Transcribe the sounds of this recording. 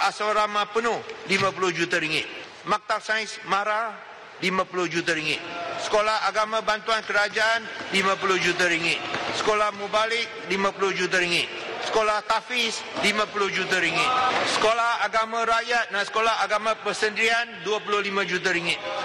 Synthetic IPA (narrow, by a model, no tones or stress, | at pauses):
ʔasaɾamãpənʊhlimãpulʊhd͡ʒut̪aɾiŋɪt̪̚ | mak̚t̪asajsmaɾa | limãpulʊhd͡ʒut̪̬aɾiŋɪt̪̚sə̥kolahaɡamãbant̪uankəɾad͡ʒaʔanlimãp̬ulʊhd͡ʒut̪̬aɾiŋɪt̪̚sə̥kolahmubalɪk̚limãpulʊhd͡ʒut̪̬aɾiŋɪt̪̚sə̥kolaht̪afislimãpulʊhd͡ʒut̪̬aɾiŋɪt̪̚sə̥kolahaɡamãɾajat̪̚nasə̥kolaɦaɡamãpəsəndɾianduapulʊhlimãd͡ʒut̪̬aɾiŋɪt̪̚